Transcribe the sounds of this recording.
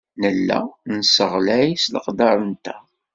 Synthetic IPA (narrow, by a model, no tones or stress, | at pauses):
nəlːæ̰nsəʁlæjislə̰qd̪ɑɾˤənt̪æ